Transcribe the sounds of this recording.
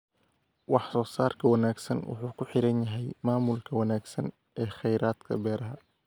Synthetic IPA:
wɑħsɔːsaːrkʰɐwɑnaːɡsɐnwʊ̰ħuːkʰʊħɪɾɐnjɐɦɛjmaːmʊlkʰɐwɑnaːɡsɐn | ʔɛːχɛjɾaːd̪kʰɐ̰bɛːɾɐɦɐ

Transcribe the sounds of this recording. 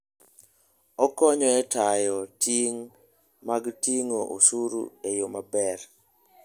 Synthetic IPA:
ɔkɔɲɔɛtajɔtʰiŋ | maɡtiŋoʔo̰suɾṵejomabɛr

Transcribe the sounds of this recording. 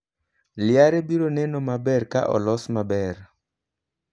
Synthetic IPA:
lɪaɾebiɾonɛnomabɛɾka̰ʔɔ̰lɔsmabɛr

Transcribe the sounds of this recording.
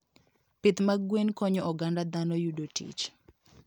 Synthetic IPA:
pɪt̪maɡwenkɔɲɔʔɔɡandad̪anɔjudotḭt͡ʃ

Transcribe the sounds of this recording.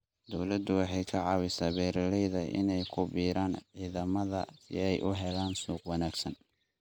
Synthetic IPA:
d̪ɔwlɐd̪ʊwɑħɑjkʰɐʕɑːwɪsaːbɛːɾɐlɛjðɐʔɪ̰nɛjkʰʊbiːɾaːnʕiːðɐmɐðɐ̰sɪ̰ɛjʔʊɦɛlaːnsuːqwɑnaːɡsɐn

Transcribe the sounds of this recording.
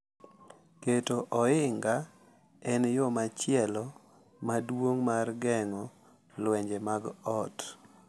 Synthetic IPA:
ketoʔɔɪŋɡa | ɛnjomat͡ʃɪɛlɔ | madwoŋmarɡɛŋɔ | lwɛɲd͡ʒemaɡɔt

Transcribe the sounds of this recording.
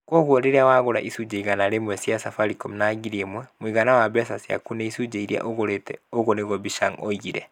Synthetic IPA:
kwɔɣwɔɾeɾawaɣoɾa̰ʔisud͡ʒeiɣanaɾemwɛsjasafaɾikɔmnaɡiɾiemwɛmwiɣanawabɛsasja̰kunɛisud͡ʒeiɾia̰ʔoɣoɾetɛoɣoneɣɔbiʃaŋɔ̰iɣiɾɛ

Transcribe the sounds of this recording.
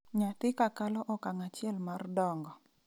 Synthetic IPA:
ɲat̪ɪkakalɔʔɔkaŋat͡ʃɪɛlmardɔŋɡɔ

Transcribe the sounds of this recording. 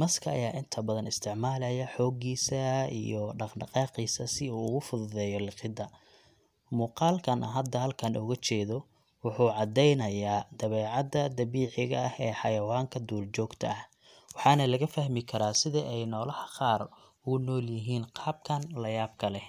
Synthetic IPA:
mɐskʰɐɐ̰jaːʔɪnt̪ʰɐbɐðɐnɪst̪ʰɪʕmaːlɛjɐħɔːɡiːsɐḭjɔɖɑqɖɑqɑːqiːsɐsɪuːʊɣʊfʊðʊðɛːjɔlɪqɪd̪ɐ | muːqɑːlkʰɐnɐ̰ɦɐd̪ːɐɦɐlkʰɐnʔɔɣɐt͡ʃɛːðɔ | wʊħuːʕɑd̪ɛjnɐjaːd̪ɐβɛːʕɑd̪ɐd̪ɐβiːʕɪɣɐ̰ɐhɛːħɑjɐwaːŋkʰɐd̪uːlt͡ʃɔːɡt̪ʰɐɐh | wɑħɑːnɐlɐɣɐfɐhmɪkʰɐɾaːsɪðɐʔɛjnɔːlɐhɐqɑːr | ʊɣʊnɔːljɪɦiːnqɑːb̚kʰɐnlɐjaːb̚kʰɐlɛ

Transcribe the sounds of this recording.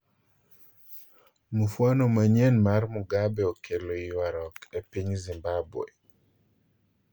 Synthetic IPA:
mufwanomaɲɛnmarmʊɡabɛokʰeloiwaɾɔkepiɲzimbabwḛ

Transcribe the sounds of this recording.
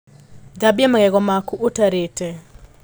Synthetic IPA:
d͡ʒabiamaɡɛɡɔmakuʔotaɾetɛ

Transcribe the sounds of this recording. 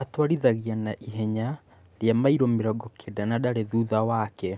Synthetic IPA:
atwaɾiðaɣianaʔiɦɛɲa | ɾjamaiɾɔmeɾɔɡɔkʰedanaɗaɾeðuðawakɛ

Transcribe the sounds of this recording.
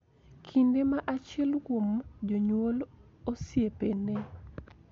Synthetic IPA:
kʰindemaʔat͡ʃɪɛlkwomd͡ʒoɲwol | osjepenɛ

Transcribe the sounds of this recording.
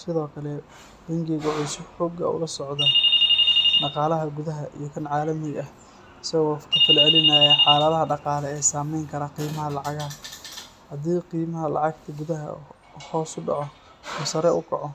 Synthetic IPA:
sɪðɔːkʰɐlɛ | bɐŋɡɛɣʊʕʊsʊbħɔːɡɐ̰ʊ̰lɐsɔʕd̪ɐ | ɖɑqɑːlɐɦɐɡʊðɐɦɐʔḭjɞkʰɐnʕaːlɐmɪɣɐ | ɪsɐɣɔːkʰɐfɪlʕɛlɪnaːjɐħɑːlɐðɐɦɐɖɑqɑːlɛɛːsaːmɛjŋkʰɐɾɐqiːmɐɦɐlɑʕɑɣɐɦɐ | hɐd̪iːqiːmɐɦɐlɑ̰ʕɑɡ̚t̪ʰɐɡʊðɐɦɐ̰ | hɔːsʊɖɑ̰ʕɔ | ʊsɐɾɛʔʊkʰɐʕɔ

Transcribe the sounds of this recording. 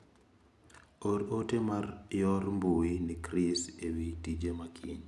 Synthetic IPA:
oɾotemarjɔɾmbuinikɾisewitid͡ʒemakʰḭɲ

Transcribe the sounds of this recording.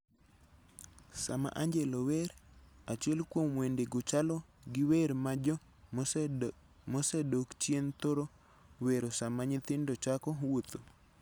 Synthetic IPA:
sama̰ʔaɲd͡ʒeloweɾat͡ʃiɛlkwomwendeɡʊt͡ʃalɔ | ɡɪweɾmad͡ʒ | mosɛdokt͡ʃjent̪oɾo | weɾosamaɲɪt̪ɪndot͡ʃakɔwot̪o

